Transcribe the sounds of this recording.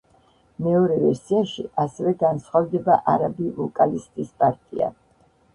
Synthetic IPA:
mɛɔɾɛvɛɾsiaʃḭʔasɛvɛɡansχavd̪ɛbaʔaɾabilɔkʼalist̪ʼispʼaɾt̪ʼḭa̰

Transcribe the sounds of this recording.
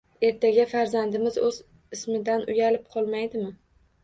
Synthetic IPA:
e̞ɾt̪ʰaɡʲafaɾzand̪ɪmɪzɵz | ɪsmɪd̪anʔʊ̰jalɪp̚qʰɒlˠmajd̪ɪmɪ

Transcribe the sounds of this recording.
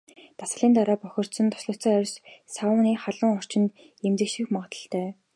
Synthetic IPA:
t̪asə̥̆ɮiːnt̪aɾaːpœxʲɞ̆r̥t̪sɞ̆nt̪ʰɔ̥sɮʊ̆t͡sœːœɾ̆ʲssawʊniːχaɮə̆ŋɔr̥t͡ɕɪ̆nt̪ | emt͡sɘ̆kʃĭxmɔʁə̆t̪ə̆ɬt̪æː

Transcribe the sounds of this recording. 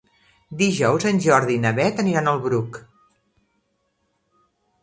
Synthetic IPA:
d̪iʒɔwzənʲʒɔɾðinəβɛt̪əniɾanəlˠβɾuk

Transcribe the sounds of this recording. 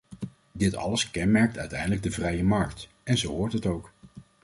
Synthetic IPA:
dɪtɑ̰ləskɛnmɛɹk̚tœɥtɛjndələɡ̚dəvrɛjəmɑɹkt | ɛnzowɦʊːɹtɦətowk

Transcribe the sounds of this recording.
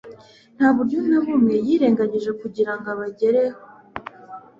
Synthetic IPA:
n̥haːβuɾjonaβumŋe̞jiːɾe̞ːŋɡaɲeʒe̞kuɟiɾaŋɡaβaɟe̞ɾeho

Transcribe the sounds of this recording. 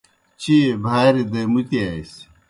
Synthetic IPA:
t͡ɕibʱaːɾid̪ɐmut̪iaːis

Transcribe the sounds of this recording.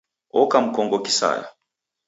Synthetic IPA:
ɔkam̩kɔŋɡɔkisa̰ja̰

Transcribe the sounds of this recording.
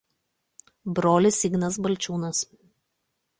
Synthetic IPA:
bɾoːlʲɪsʲɪɡnɐsbɐlʲt͡ʃʲuːnɐs

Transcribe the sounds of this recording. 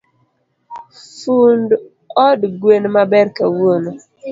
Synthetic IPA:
fund | ɔdɡwenmabɛɾkawono

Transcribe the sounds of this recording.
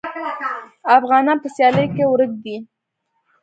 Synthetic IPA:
afɣɑnɑnpəsjɑləjkewɾəɡ̚d̪i

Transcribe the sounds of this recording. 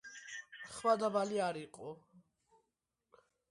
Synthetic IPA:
χwad̪abaliaɾiqʼɔ

